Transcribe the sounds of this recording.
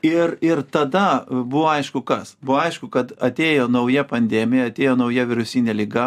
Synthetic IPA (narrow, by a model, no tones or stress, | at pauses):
ɪrɪrt̪ɐd̪ɐbʊʋoːɐɪʃkʊkɐsbʊʋoːɐɪʃkʊkɐt̪ɐt̪ʲeːjoːnɐʊjɛpɐnʲd̪ʲɛːmʲɪjɛɐt̪ʲeːjoːnɐʊjɛʋʲɪɾʊsʲiːnʲeːlʲɪɡɐ